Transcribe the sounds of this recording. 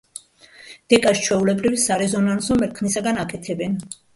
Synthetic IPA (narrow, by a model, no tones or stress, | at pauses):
d̪̥ɛkʼast͡ʃʰwɛulɛbɾivsaɾɛzɔnansɔmɛɾkʰnisaɡanakʼɛt̪ʰɛbɛn